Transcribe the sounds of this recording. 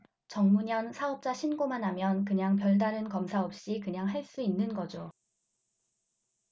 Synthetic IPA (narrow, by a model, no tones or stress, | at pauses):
t͡ɕʌŋmuɲʌnsʰaʌp̚t͡ɕ͈aɕʰinɡomanɦamjʌnkɯɲaŋpjʌɭdaɾɯnkʌmsʰaʌp̚ɕ͈ikɯɲaŋɦaɭs͈uinːɯnɡʌd͡ʑo